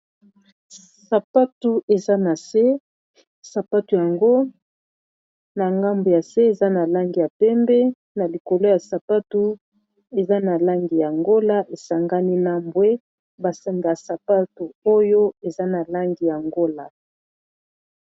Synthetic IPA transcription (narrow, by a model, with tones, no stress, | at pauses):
sa˨pa˦tu˨e˨za˦na˨se˦ | sa˨pa˦tu˨ja˨ŋɡo˦ | na˨ŋɡa˦mbo˨ja˨se˦e˨za˦na˨la˦ŋɡi˨ja˨pɛ˦mbɛ˦ | na˨li˨ko˨lo˦ja˨sa˨pa˦tu˦ | e˨za˦na˨la˦ŋɡi˨ja˨ŋɡo˦la˦ʔe˨sa˨ŋɡa˦ni˦na˦mbwe˦ | ba˨sa˦ŋɡa˨sa˨pa˦tu˨o˦jo˦e˨za˦na˨la˦ŋɡi˨ja˨ŋɡo˦la˨